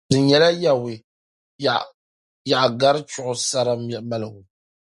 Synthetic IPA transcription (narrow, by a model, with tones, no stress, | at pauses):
dɨ˨ɲɛ˨˦la˦ja˨wɪ˨ | ja˨ʔɡa˦ɾɨ˦t͡ʃʊ˦ʔʊ˦sa˦ɾa˦mɛ˨ma˦lɨ˨ɡʊ˨